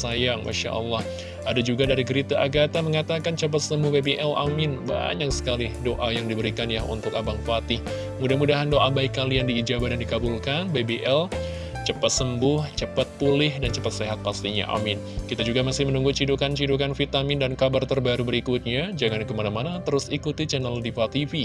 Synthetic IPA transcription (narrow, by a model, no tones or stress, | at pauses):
sajaŋma̰ʃa̰ʔə̰lːah | ʔadad͡ʒuɡadaɾiɡəɾit̪aʔaɡat̪aməŋat̪akant͡ʃəp̬at̪səmbʊhbebeʔɛla̰mɪnba̰ɲaksə̥kalɪhdoʔajaŋdibəɾikanjaɦṵnt̪ʊkabaŋfat̪i | mudahmudaɦandoʔabaikːalijaŋdiːd͡ʒabahdandikabulkanbebeʔɛl | t͡ʃəpat̪̚səmbʊht͡ʃəpat̪̚pulɪhdant͡ʃəpat̪̚seɦat̪̚past̪iɲa̰ʔa̰mɪn | kit̪ad͡ʒuɡamasɪhmənuŋɡut͡ʃidukant͡ʃidukanfit̪amɪndankabart̪ərbaɾubəɾikut̪̚ɲad͡ʒaŋankəmanamanat̪əɾʊsikut̪it͡ʃɛnaldifat̪ifi